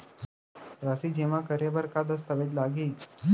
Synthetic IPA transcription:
ɾasiːd͡ʑeʋãkəɾebəɾkad̪əs̬t̪əʋeʈ̪laɡiː

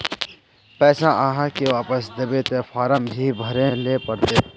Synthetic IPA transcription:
pɛːsãʔaːɦãkeʋaːpəsd̪ebet̪epʰaːɾəmbʱibʱəɾelepəɽt̪e

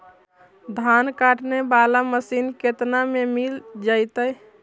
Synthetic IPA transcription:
d̪ʱankaʈnebalaməsinket̪namemild͡ʒajt̪əj

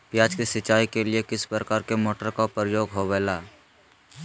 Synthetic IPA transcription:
pjaːd͡ʒkisɪt͡ʃaːikeliekɪspɾəkaːɾkemoːʈəɾkapɾəjoːɡɦoʋɛːlaː

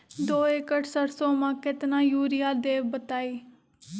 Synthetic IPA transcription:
d̪oːekəʈsəɾsoːmãːkɪt̪nãːjuːɾɪjaːd̪eːbət̪aːiː

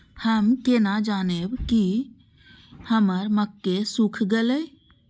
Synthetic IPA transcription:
həmkenad͡ʒaːnebki | həməɾməkːesukʰɡelə

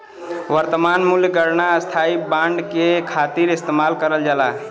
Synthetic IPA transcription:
ʋəɾt̪əmanmuljɡəɾnaəst̪ʰaibãɳɖkekʰat̪iɾist̪emalkəɾəld͡ʒala

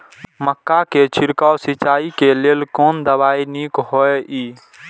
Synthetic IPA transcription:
məkːaket͡ʃʰɪɾkawsit͡ʃaːikeleːlkoːnd̪əbaːiniːkɦoeʔiː

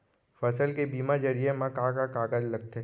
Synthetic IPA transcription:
fɐsəlkebiːmad͡ʒɐɾijemãkakakaːɡad͡ʒlɐɡ̚t̪e

